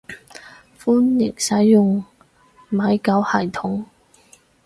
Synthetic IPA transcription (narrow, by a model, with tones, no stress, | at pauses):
fuː˥njɪ˨˩ŋsɐ˨˥jːʊ˨ŋ | ma˨˧jkɐ˨˥whɐ˨˩jt̪ʰʊ˨˥ŋ